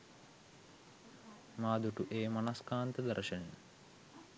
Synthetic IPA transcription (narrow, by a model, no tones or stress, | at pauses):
maːd̪uʈuʔeːmanaskaːnt̪əd̪ɐɾəʃəne